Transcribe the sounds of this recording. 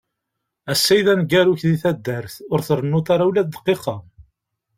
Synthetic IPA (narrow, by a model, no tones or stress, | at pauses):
æsːæjðænɡæɾuçðiθæd̪ːæɾθʊɾθəɾˤənːut̪aɾawlæðd̪ə̥qːiqɑ